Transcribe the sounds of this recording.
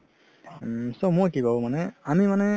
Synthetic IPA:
somokʲiɡaomaneamʲimane

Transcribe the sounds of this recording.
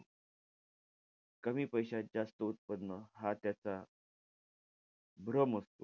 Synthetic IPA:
kəmiːpəjɕad͡zast̪əut̪̚pəd̪nəɦat̪jat͡sa | bʱɾəməst̪o

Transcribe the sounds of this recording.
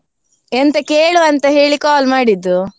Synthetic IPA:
ent̪ɐkeːɭuɐnt̪ɐɦe̞ːɭikaːlmaːɽid̪ːu

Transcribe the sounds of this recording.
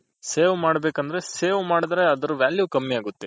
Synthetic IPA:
seːʋmaːɽɐbeːkɐnd̪ɐɾe̞seːʋmaːɽid̪ɐɾeɐd̪ɐɾuʋjaːljukɐmːiaːɡut̪ːe

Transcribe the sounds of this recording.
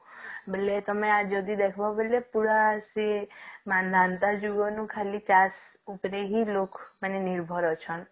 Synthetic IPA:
bəlet̪əmẽad͡ʒɔd̪id̪ekʰbaɦobəlepuɾasemanãnt̪ad͡ʒuɡɔnũkʰalit͡ʃas | upɾeɦilokmaneniɾbʱɔɾɔt͡ʃʰɔn

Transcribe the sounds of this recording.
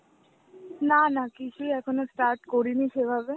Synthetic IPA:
nanakit͡ʃʰuɛkʰonosʈaɾʈkoɾiniʃebʱabe

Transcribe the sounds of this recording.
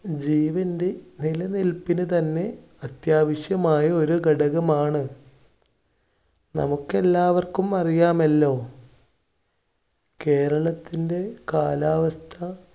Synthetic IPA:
d͡ʑiːʋɐnde̞nilɐnilpːinɨt̪ɐnːe̞ | ɐt̪jaːʋɐɕjɐmaːjɐo̞ɾuɡɐɽɐɣɐmaːɳɨ | nɐ̰mukːe̞lːaːʋɐrkumɐrijaːmɐlːo̞ː | ke̞ːɾɐɭɐt̪ːinde̞kaːlaːʋɐst̪ʰɐ

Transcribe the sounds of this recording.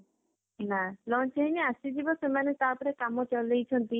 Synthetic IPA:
nalɔnt͡ʃeɦiniasid͡ʒibɔsemanet̪aɾpɔɾekamɔt͡ʃɔlejt͡ʃʰɔnt̪i

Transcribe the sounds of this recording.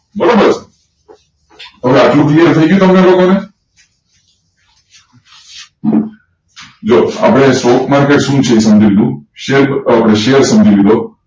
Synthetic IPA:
bəɾobəɾs | t̪əʋeat̪lũklienət̪ʰəiɡjut̪omkalokone | d͡ʒoa̰pɽ̃esoːkmaɾkeʈsũːt͡ʃʰesəmd͡ʒiʋid̪ũʃeɾapɽ̃eʃeəɾsəmd͡ʒiʋid̪o

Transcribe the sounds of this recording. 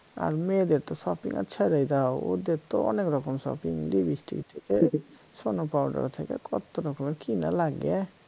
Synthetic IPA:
a̰ɾmed̪eɾt̪ɔsɔpḭŋa̰ɾt͡ʃʰɛɾajd̪aod̪eɾt̪oɔ̰nekɾɔkɔmsɔ̰piŋlibisʈḭkt̪ʰeke | sonopawɖa̰ɾt̪ʰekḛkɔt̪oɾɔkɔmeɾkina̰laɡe

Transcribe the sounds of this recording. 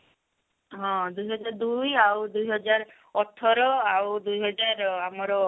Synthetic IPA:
ɦɔ̃d̪ujɦɔd͡ʒaɾd̪ujawd̪ujɦɔd͡ʒaɾ | ɔt̪ʰːɔɾɔawd̪ujɦɔd͡ʒaɾamɔɾɔ

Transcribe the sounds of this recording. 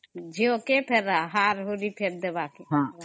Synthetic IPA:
d͡ʒiokepʰeɾaɦaːɾɦoɾipʰeɾd̪eʋaːkeɦã

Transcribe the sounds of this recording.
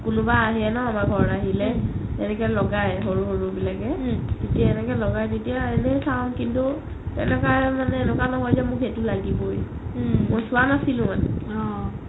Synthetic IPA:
kʊnʊbaːɦiɛnɔamaɹɡʱɔɹaɦilɛɛnɛkɛlɔɡajɦoɹuɦoɹubilakɛtetiaɛnɛkɛlɔɡajdetijaɛnɛsawnkintu | tɛ̰nɛkamanɛːnukanɔɦɔjzɛmʊketulaɡiboj | mojsʊwanasilʊ̃manɛ̰ɔ

